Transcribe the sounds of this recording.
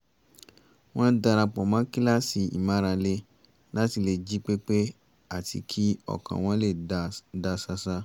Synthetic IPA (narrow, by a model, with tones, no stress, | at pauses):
w̃ɔ̃˦da˧ɾã˧k͡pɔ˨mã˨˦ki˦la˦si˧ḭ˨mã˨˦ɾã˧le˧˦ | la˦ti˨˧˨le˧d͡ʒi˦k͡pe˦k͡pe˦ | a˦˨tḭ˧kʰi˦ɔ̰˦˨kã̰˨w̃ɔ̃˦le˦˨da˧sa˧sa˦